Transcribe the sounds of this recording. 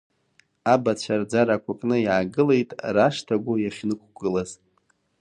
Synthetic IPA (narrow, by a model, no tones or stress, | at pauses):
abat͡ɕʷʰard͡zaɾakʷʰakʼnɨjaʕaɡɨle̞jtʼraʂtʰaɡʷʊjaχʲnɨkʷʰʼɡɨlaz